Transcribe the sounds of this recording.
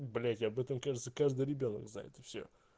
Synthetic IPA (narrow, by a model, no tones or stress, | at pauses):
bɐlʲɛtʲɐbɛt̪əmkaʐɨt̪səkaʐd̪ɨjɾʲɪbʲonə̰kzna̰ɪ̰t̪ɨ̥fsʲo̰